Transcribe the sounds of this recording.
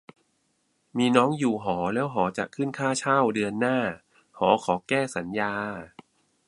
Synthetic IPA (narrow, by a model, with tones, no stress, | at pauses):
miː˧nɔː˦˥ŋjuː˨˩ɦɔː˩˦lɛː˦˥wɦɔː˩˦t͡ɕa̰˨˩kʰɯ˥˩nkʰaː˥˩t͡ɕʰaː˥˩wdɯ˧ənːaː˥˩ | hɔː˩˦kʰɔː˩˦kɛː˥˩sa˩˦njaː˧